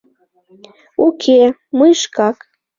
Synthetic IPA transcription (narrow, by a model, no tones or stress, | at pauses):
ukʰemɤjʃkɑk